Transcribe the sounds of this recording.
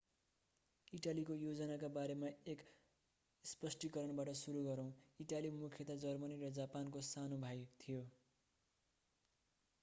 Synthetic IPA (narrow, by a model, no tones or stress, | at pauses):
iʈalikojod͡zʌnakabaɾemaek | spʌsʈikʌɾʌnbaʈʌsuɾuɡʌɾʌ̃w̃iʈalimukʰjʌt̪ad͡zʌrmʌniɾʌd͡zapankosanobʱajt̪ʰijo